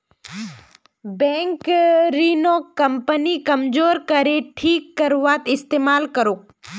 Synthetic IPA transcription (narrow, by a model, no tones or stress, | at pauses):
bɛ̃ːŋkɾinokɐmpənikɐmd͡ʒoːɾkəɾeʈʰiːkːɐɾuʋaːt̪ɪst̪eːmaːlkəɾoːk